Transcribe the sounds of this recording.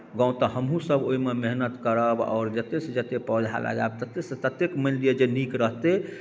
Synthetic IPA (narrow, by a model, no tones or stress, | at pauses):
ɡɔ̃ũt̪ɔhəmɦũsəbʱoimemeɦnət̪kəɾəbɔ̰ːɾd͡ʒət̪esd͡ʒət̪epɔd͡ʒʱa̰lʔa̰ɡa̰bt̪ət̪est̪ət̪ekməllijed͡ʒenikɾəɦt̪e